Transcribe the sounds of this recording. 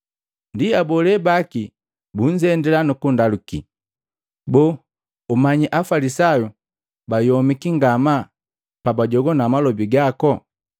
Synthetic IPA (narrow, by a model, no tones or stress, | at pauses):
ndiabɔlɛbaki | buɲd͡ʒɛndɛlanukundaluki | bɔ | umaɲiʔafalisaju | bajɔmikiŋɡama | pabaɟɔɡɔnamalɔbiɡakɔ